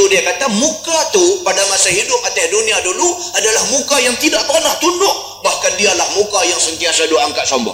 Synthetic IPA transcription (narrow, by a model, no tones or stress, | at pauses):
udiakat̪amukat̪upadamasaɦidʊp̚at̪asduniadulu | adalahmukajaŋt̪idaʔpənaht̪undʊʔ | bahkandialahmukajaŋsənt̪iasaduʔaŋkaʔ̪̚sɔmba̰